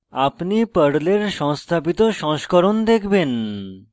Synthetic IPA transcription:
apnipəɽleɾʃɔŋst̪ʰabit̪oʃɔ̃ŋʃkoɾond̪ekʰben

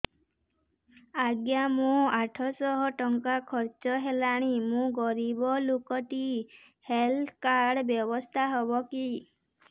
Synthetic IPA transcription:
aɡjamũaʈʰɔsɔɦɔʈɔŋkakʰɔɾt͡ʃɔɦelaɽ̃imũɡɔɾibɔlokɔt̪i | helt̪ʰkaɾɽbjɔbɔst̪ʰaɦɔbɔki

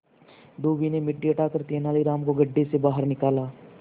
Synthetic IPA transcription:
ɖoːbinemɪʈːiɐʈaːkəɾt̪eːnaːliɾaːmkoɡɐɖːesebaːɦəɾnɪkaːlaː

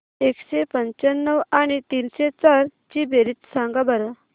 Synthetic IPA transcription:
ekɕepəɲt͡ɕənːəʋañit̪inɕet͡saɾt͡ɕibeɾit͡s̪sãŋɡabəɾə

